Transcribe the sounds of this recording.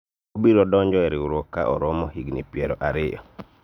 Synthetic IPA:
obiɾɔdɔɲd͡ʒɔɛɾɪuɾɔkːa̰ʔɔ̰ɾɔmɔhiɡnḭpjɛɾɔʔaɾɪjɔ̰

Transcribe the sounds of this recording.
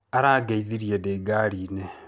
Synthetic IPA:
aɾaːɡeiðiɾijedeɡaɾiːne

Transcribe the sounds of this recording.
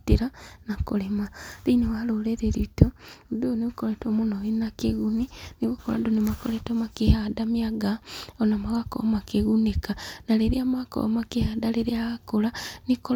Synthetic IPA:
tiɾanakolemaɾinewaloleɾeɾitodoniɣukoɾetomonoinakeɣuniniɣukoɾa̰donemakoletomakehadamiaɡaonamaɣako̰makeɣunekanaleɾiamako̰makehadaleɾeaɣakolaniko

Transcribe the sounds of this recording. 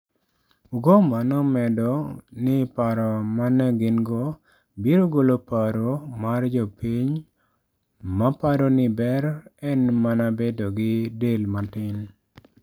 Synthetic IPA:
uɡomanɔmɛdɔnɪpaɾɔmanɛɡɪnɡo | biɾoɡolopaɾomard͡ʒɔpiɲ | mapaɾonɪbɛɾɛnmanabedɔɡɪdelmatɪn

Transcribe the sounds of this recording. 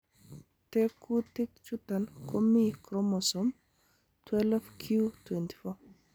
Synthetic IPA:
t̪ekʰutikt͡ʃut̪ankʰomikɾɔmɔsɔm | tʰwɛlvkʰjutwɛnti̥fɔ

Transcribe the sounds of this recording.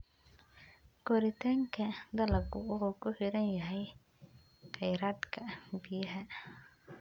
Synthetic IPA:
kɔɾɪt̪ʰaːŋkʰɐd̪ɐlɐɡʊʊhukʰʊħɪɾɐnjɐɦɛj | qɛjɾaːd̪kʰɐbɪjɐɦɐ

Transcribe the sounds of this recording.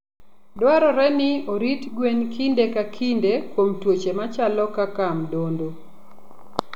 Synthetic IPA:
dwaɾɔɾɛnɪoɾitɡwenkʰindekakʰindekwomtwot͡ʃemat͡ʃalɔkakamdondo

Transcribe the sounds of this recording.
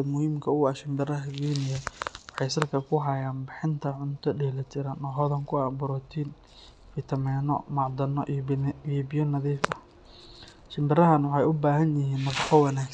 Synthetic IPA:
ɐmʊhiːmkʰɐʊɐʃɪmbɪrɐɦɐɡiːnɪjɐwɑħɑjsɐlkʰɐkʰʊɦɐjaːnbɪħɪnt̪ʰɐʕʊnt̪ʰɔɖɛhlɐt̪ʰɪɾɐnɔːɦɔðɐŋkʰʊabʊɾɔt̪ʰiːn | fɪt̪ʰɐmɛːnɔ̰mɑʕd̪ɐnɔ̰ʔiɔbɪjɔnɐðiːfɐ | ʃɪmbɪrɐɦɐnwɑħɑjʊbaːɦɐnjɪɦiːnːɐfɑqɔwɑnaːk

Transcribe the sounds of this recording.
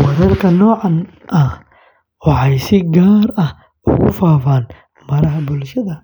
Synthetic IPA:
wɐɾɐrkʰɐnɔːʕɑn | ʔɐh | wɑħɑjsɪɡaːɾɐh | ʔʊ̰ɣʊfaːfaːn | mɐɾɐɦɐbʊlʃɐðɐ

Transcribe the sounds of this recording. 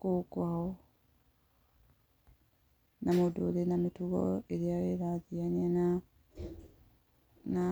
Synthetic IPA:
kokwaɔ | namodo̰ɾenamituɣɔ̰eɾeaɾeɾaðianiana | na

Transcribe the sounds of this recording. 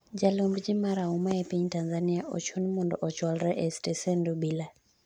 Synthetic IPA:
d͡ʒalɔmbd͡ʒimaɾaumaɛpiɲtanzaniaʔɔ̰t͡ʃɔnmɔndɔ̰ʔɔt͡ʃwalɾɛʔɛstɛsɛndubila

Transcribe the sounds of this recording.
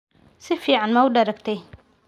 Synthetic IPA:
sifiʕanmawdaɾakt̪e

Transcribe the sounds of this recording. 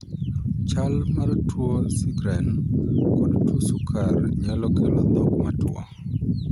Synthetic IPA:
t͡ʃalmartwosiɡɾɛnkodtwosukʰarɲalɔkelɔd̪ɔkmatwɔ̰

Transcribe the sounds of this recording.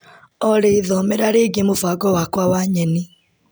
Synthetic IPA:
ɔɾeðɔmɛɾaɾeːɡemofaɡɔwakwawaɲɛni

